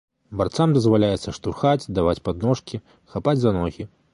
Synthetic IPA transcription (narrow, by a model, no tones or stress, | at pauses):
bart̪samd̪ɐzvalʲajɛt̪sːɐʂt̪urxad͡zʲd̪avat͡sʲpad̪nɔʂkʲi | xapad͡zʲzanɔɣʲi